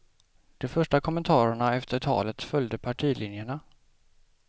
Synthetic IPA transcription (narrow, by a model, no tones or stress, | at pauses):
d̪̥ɛfœʂʈakʰɔmːɛnt̪ʰɑːɾəɳaɛft̪əʈʰɑ̰ːlət̪fœljd̪əpʰaʈʰiːlɪnjəɳa